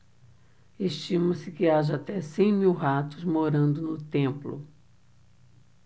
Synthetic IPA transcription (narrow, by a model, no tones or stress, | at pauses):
eʃt͡ʃĩmɐsɪkɪaʒɐat̪ɛsẽj̃miwɦat̪ʊzmoɾɐ̃nd̪ʊnʊt̪ẽmplʊ̰